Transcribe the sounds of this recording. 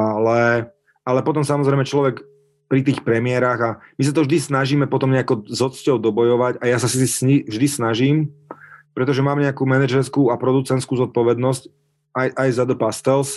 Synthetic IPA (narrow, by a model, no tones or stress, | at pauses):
alɛ | alɛpɔt̪ɔmsamɔzɾɛjmɛt͡ʃlɔʋɛk | pɾit̪̬iːxpɾɛmɪɛɾaːɣamisat̪ɔvʒd̪isnaʒiːmɛpɔt̪ɔmɲɛakɔzɔt͡scɔʊd̪ɔbɔjɔʋaɟajasasisisɲivʒd̪isnaʒiːm | pɾɛt̪ɔʒɛmaːmɲɛakuːmɛnɛʒɛɾskuːapɾɔd̪ut͡sɛnt̪skuːzɔt̪̚pɔʋɛd̪nɔsc | ajʔajzad̪ɔpast̪ɛls